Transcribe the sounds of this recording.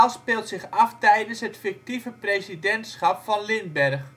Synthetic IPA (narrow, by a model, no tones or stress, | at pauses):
lˠspɪːlˠtsɪχɑftɛjdənsɦətfɪk̚tivəprejsidɛntsχɑpfɑnlɪnbɛrχ